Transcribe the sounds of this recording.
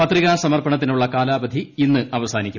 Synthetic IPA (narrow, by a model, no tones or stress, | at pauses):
pɐt̪riɣaːsɐmɐrpɐɳɐt̪̬ːinuɭːɐkaːlaːbɐd̪ʱiinːɨɐʋɐsaːnikʲːu